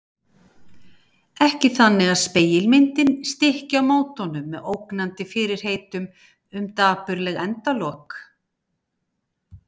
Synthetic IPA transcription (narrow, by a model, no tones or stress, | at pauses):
ɛhcɪθanːɪɣaðspeːjɪlmɪnt̪ɪnst̪ɪhcawmoːwt̪ɔnʏmːɛðowknant̪ɪfɪɾɪɾ̥heːjt̪ʏm | ʏmt̪aːpʏɾlɛɣɛnt̪alɔːk